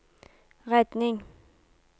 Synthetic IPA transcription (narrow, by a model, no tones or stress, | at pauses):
ʁɛt̪nɪŋ